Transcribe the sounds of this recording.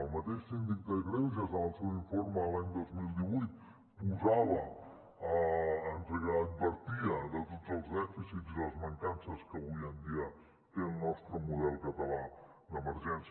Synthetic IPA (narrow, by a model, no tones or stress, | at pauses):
əlˠmət̪eʃsind̪ik̚d̪əɣɾɛns̬iəzəəlˠsewiɱfoɾməːlaɲd̪ozmilˠd̪iβujt̪̚ | puzaβə | əːnzəɣaːt̪̚bəɾt̪iəðət̪od͡zəlˠzðɛfisizðələzməŋkansəskəβuiənd̪iə | t̪eəlˠnɔst̪ɾəmuðɛlˠkət̪əla | d̪əməɾʒɛns